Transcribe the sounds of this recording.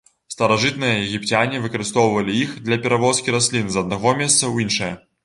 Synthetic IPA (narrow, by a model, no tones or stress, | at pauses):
st̪ɐɾaʐɨt̪nɨjɐjɛɣʲipt͡sʲanʲivɨkɐɾɨst̪ɔwvɐlʲiixd̪lʲɐpʲɛɾavɔskʲiɾasʲlʲinzɐd̪̚naɣɔmʲɛst̪sɐwjinʂɐjɐ